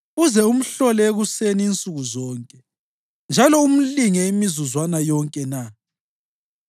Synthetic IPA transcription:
uzɛum̩ɬɔlɛeɣuseniːnt͡sʼuɣuzɔːŋkʼɛ | nd͡ʒʱalɔum̩liŋɛimizuzwanajɔŋkʼɛna

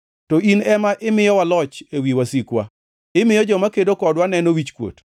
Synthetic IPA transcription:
tɔinɛmaʔɪmɪjɔwalɔt͡ʃewiwasikwa̰ | ɪmɪjɔd͡ʒɔmakedokɔdwanɛnowit͡ʃkwo̰t

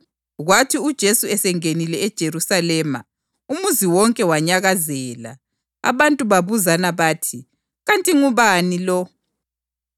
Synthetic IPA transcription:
ɣwatʰiud̥ʒ̥ʱesuɛsɛŋenilɛɛd̥ʒ̥ʱeɾusalɛːma̰ | umuziwɔŋkʼɛwaɲaɣazɛːla̰ | a̰βantʼuβaβuzanaβaːtʰi | ɣantʼiŋuβanilɔ

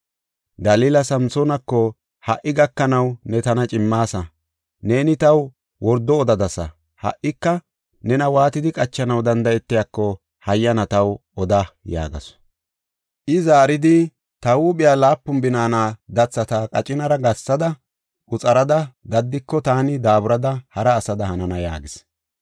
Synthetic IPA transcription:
ɡɐliːlɐsɐmsɔnɐkːɔ | hɐʔːɪɡɐkːɐnɐwnɛt̪ɐnɐt͡ʃʼɪmːaːsɐ | ne̞ːnɪt̪ɐw | wɔɾd̪ːɔːd̪ɐd̪ɐsɐ̰ | hɐ̰ʔːɪkːɐ | nɛnɐwaːt̪ɪd̪ɪkʼɐt͡ʃːɐnɐwd̪ɐnd̪ɐjɛt̪ːɪjakːɔ | hɐjːɐnɐt̪ɐwɔd̪ɐja̰ːɡɐ̰s | ʔɪzaːɾɪd̪ɪ | t̪ɐwuːɓɪjaːlaːpːʊmbɪnaːnaːd̪ɐt͡sːɐt̪akʼɐt͡ʃʼɪnɐɾɐɡɐsːɐd̪ɐ | ʔʊt͡sʼɐɾɐd̪ɐɡ̪ɐd̪ːɪkːɔt̪aːnɪd̪aːbʊɾɐd̪ɐhɐɾɐːsɐd̪ɐhɐnɐnɐja̰ːɡɪs

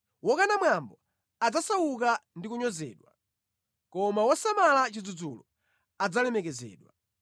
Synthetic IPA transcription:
wɔkanamwambɔ | ad͡zasawuk̬andikuɲɔzɛ̰ːɗwa | kɔmawɔsamalat͡ʃid͡zud͡zulɔ | ad͡zalɛmɛkɛzɛ̰ːɗwa̰

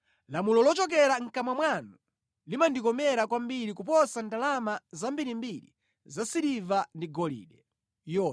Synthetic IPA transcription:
lamulɔlɔt͡ʃɔk̬ɛɾaŋ̩kamwamwanu | limandikɔmɛɾakwambiɾikup̬ɔsandalamazambiɾimbiɾḭ | zasiɾivandiɡɔlḭːɗɛ | jɔ

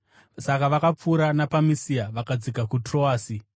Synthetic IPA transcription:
sakaʋakap͡fuːɾanapamisiaʋakad͡zikakutroaːsi

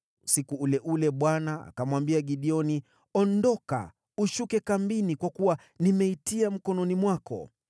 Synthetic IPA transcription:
usikuulɛʔulɛɓwanaa̰kamwambiaɠiɗiɔni | ɔndɔka̰ | uʃukɛkambinikwakuwa | nimɛitiam̩kɔnɔnimwakɔ̰

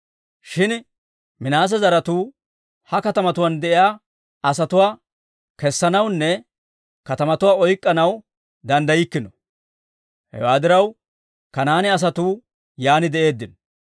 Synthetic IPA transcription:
ʃɪn | mɪnaːs̬ɛzɐɾɐt̪uː | hɐkɐt̪ɐmɐt̪ʊwaːnd̪ɛʔɪjaː | ɐsɐt̪ʊwaː | kɛsːɐnɐwnːɛ | kɐt̪ɐmɐt̪ʊwaːɔjkʼːɐnɐw | d̪ɐnd̪ɐjɪkːɪnɔ | hɛ̰waːd̪ɪɾɐw | kɐnaːnɪɐs̬ɐt̪uː | jaːnɪd̪ɛʔe̞ːd̪ːɪnɔ

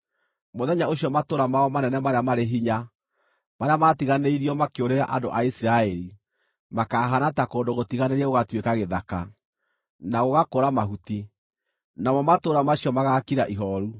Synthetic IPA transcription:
moðɛɲaoɕjɔmatoːɾamaɔmanɛnɛmaɾjamaɾeɦiɲa | maɾeamatiɣaneiɾiɔmakeoɾeɾa̰ʔa̰ndo̰ʔaisiɾaɛɾi | makaːɦanatakoːndoɣotiɣaneɾɛoɣatwekaɣeðaka | naɣoɣakoɾamaɦuti | namɔmatoːɾamaɕiɔmaɣakiɾaʔiɦɔɾu

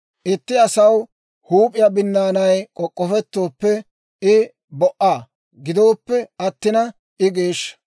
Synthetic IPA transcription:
ʔɪt̪ːɪɐsɐw | huːpʼɪjɐbɪnːaːnɐjkʼɔkʼːɔfɛt̪ːo̞ːpːɛ | ɪ | bɔʔaː | ɡɪd̪o̞ːpːɛɐt̪ːɪnɐ | ɪɡe̞ːʃːɐ̥

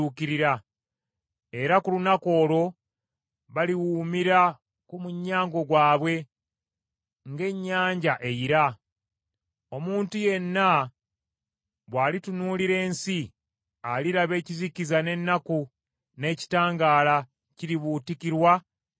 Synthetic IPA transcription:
ukiɾiɾa | e̞ɾakulunako̞ːlo̞ | βaliwuːmiɾa | kumuɲːaːŋɡo̞ɡwaːβwe̞ | ŋɡe̞ɲːaːɲɟaʔe̞jiɾa | o̞muːntuje̞nːa | βwaːlitunuːliɾe̞ːnsi | aliɾaβe̞ːcizikizane̞nːaku | ne̞ːci̥taːŋɡaːla | ciɾiβutikiɾwa

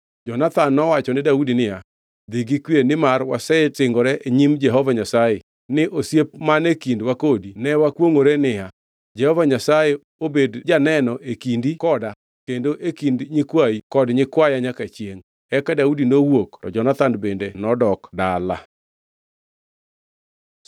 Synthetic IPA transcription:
d͡ʒɔnat̪anːɔwat͡ʃɔnɪdaudinɪja | d̪iɡikwienɪmarwasɛtɪŋɡɔɾɛʔeɲimd͡ʒɛɦɔvaɲasajɛ | nɪʔosjep̚manekindwakodinɛwakwoŋoɾenɪja | d͡ʒɛhɔvaɲasajɛ | obedd͡ʒanɛnɔʔekindikɔda | kendoʔekindɲɪkwaikɔdɲɪkwajaɲakat͡ʃjeŋ | ɛkadaudinowoktɔd͡ʒɔnat̪anbendenɔdɔkdala

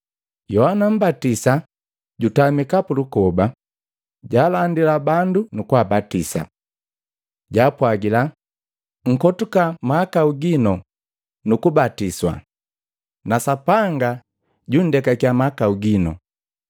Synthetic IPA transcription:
jɔhanam̩batisa | ɟutamikapulukɔba | ɟaːlandilabandunukuabatisa̰ | ɟaːpwaɡila | ŋ̩kɔtukamaːkauɡinɔ | nukubatiswa̰ | nasapaŋɡa | ɟun̩dɛkakiamakauɡinɔ̰

